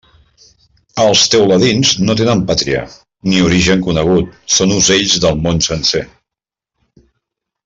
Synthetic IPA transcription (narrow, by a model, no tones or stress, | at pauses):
əlˠst̪ewləðinznot̪enəmpat̪ɾiə̰ | niuɾiʒəŋkunəɣ̞ut̪̚sonuzeʎzðəlˠmonsənse